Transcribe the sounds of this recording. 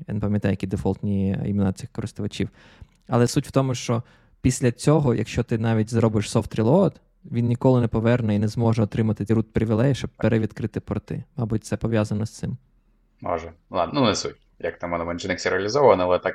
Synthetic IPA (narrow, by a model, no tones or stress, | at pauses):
ja̰nɛpɐmjɐt̪ɑjɐkid̪efɔlˠt̪ʲnʲiḭmʲinat͡sʲɪxkɔɾɪst̪ʊʋɐt͡ʃʲiw | ɐlˠɛsutʲw̥t̪ɔmʊʃt͡ʃɔ | pʲisʲlʲɐt͡sʲɔɦɔjʔɐ̰kʃt͡ʃɔt̪ɪnɑʋʲit̚ʲzɾɔbɪʃsɔft̪ɾʲilˠɔd̪ | ʋʲinnʲikɔlˠɪnɛpɔʋɛrnɛinɛzmɔʒɛɔt̪ɾɪmɐt̪ɪɾut̪̚pɾɪʋʲilˠɛjɐʃt͡ʃɔb̚peɾɛʋʲid̪kɾɪt̪ɪpɔɾt̪ɪ̰mɑbut̚ʲt̪sɛpɔʋʲjazɐnɔst̪sɪm | mɔ̰ʒɛa̰d̪nnunesṵtʲ | jɐ̰k̚t̪amɛnɛmɐnt͡ʃɪnɪksʲiɾeɐlʲizɔʋʋɐnɛlˠɛt̪ak